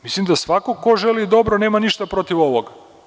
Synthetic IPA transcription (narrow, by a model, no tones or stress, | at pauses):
mislimd̪asʋakokːoʒe̞lid̪o̞bɾone̞ːmaniʃt̪apɾo̞t̪iʋo̞ʋoɡa